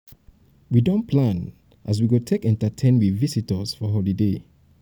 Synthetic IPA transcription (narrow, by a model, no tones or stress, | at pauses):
widõnpʰlãn | ʔas̬wiɡotʰekɛ̃ntətʰẽnwivisitəsfɔɦɔlide